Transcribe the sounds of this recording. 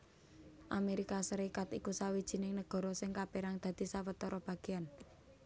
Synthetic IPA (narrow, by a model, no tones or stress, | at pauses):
ʔameɾikasəɾikat̪ikusawid̥ʒ̥i̤nɪŋnəɡ̥ɔ̤ɾɔsɪŋkapiɾaŋd̪̥ä̤d̪̥i̤sawət̪ɔɾɔb̥ä̤ɡ̥e̤an